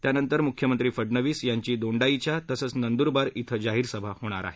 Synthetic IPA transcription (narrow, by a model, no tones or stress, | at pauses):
t̪janənt̪əɾmukʰjəmənt̪ɾiːfəɖnəʋiːsjaɲt͡ɕiːd̪oɳɖait͡ɕjat̪əsət͡snənd̪uɾbaɾit̪ʰəd͡ʑaɦiːɾsəbʱahoɽ̃a̰ɾa̰ɦe